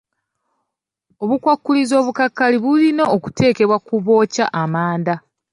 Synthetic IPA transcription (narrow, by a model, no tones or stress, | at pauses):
o̞βukwakːulizo̞ːβukakːaliβulino̞ːku̥tʰe̞ːke̞βwakuβo̞ːcaʔamaːnda